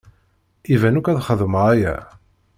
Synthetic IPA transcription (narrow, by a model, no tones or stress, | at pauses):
ivænukæðχəðməʁæjæ̰